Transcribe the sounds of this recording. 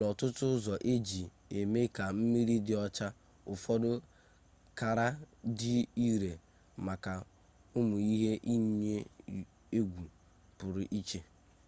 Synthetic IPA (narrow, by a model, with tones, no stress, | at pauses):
ɔ˨tʊ˦tʊ˦zɔ˨ʔe˦d͡ʒi˨ | e˨me˦ka˨m̩˦mi˦ɾi˦dɪ˨˦ɔ˦t͡ʃa˦ | ʊ˨fɔ˦dʊ˦ | ka˨ɾa˦dɪ˦i˦ɾe˨ | ma˨ka˨ | ʊ˦mʊ˨i˦ɦe˦ʔi˦ɲ˦ɲe˦ | e˦ɡʷu˨ | pʊ˨ɾɪ˨ʔi˦t͡ʃe˦